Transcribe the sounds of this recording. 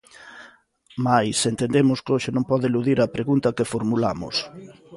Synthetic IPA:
majsent̪end̪emʊskoʃɪnõmpɔðɪeluðiɾɐpɾeɣunt̪ɐkefoɾmula̰mʊ̰s

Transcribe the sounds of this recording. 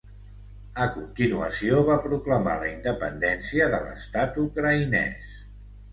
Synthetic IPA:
əkunt̪inuə̰sioβapɾukləma̰ləind̪əpənd̪ɛnsiəðələ̰st̪at̪ukɾəinɛ̰s

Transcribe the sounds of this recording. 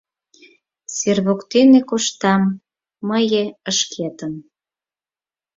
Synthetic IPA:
serβokt̪enekoʃt̪ɑmː | əjeəʃkʰet̪ən

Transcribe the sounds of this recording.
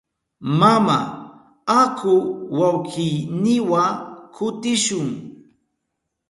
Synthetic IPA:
mama̰ | akʰʊwawkijnɪwakʰʊt̪ɪʃʊŋ

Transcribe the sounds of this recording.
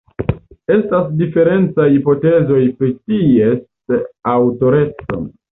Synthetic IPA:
e̞stasdife̞ɾe̞nt͡sajipo̞te̞zo̞jpɾities | awto̞ɾe̞t͡so̰n

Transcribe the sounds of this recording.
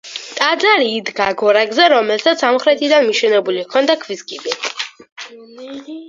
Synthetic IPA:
t̪ʼad̪zaɾiːd̪ɡaɡɔɾaɡzɛɾɔmɛlsat̪sʰsamχɾɛt̪ʰid̪anmiʃɛnɛbulikʰɔnd̪akʰviskʼibɛ

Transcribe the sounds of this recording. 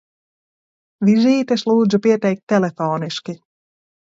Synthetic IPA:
ʋiʒiːt̪eʃlˠuːd͡ʒupiɛt̪ɛjk̚t̪ʲːelefoːniʃki

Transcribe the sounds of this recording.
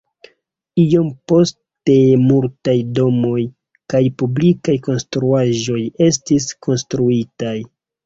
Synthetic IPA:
ijo̞mpo̞ste̞multajdo̞mo̞j | kajpublikajko̞nstɾuaʒo̞je̞stiskʰo̞nstɾuitaj

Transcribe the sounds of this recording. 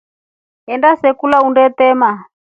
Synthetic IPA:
ɛndasɛkulaundɛt̪ɛma

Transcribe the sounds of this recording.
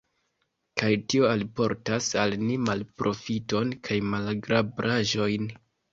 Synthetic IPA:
kajtio̞alpo̞ɾtasalnimalpɾʔo̞fito̞nkʰajmalɡɾʔabɾʔaʒo̞jn

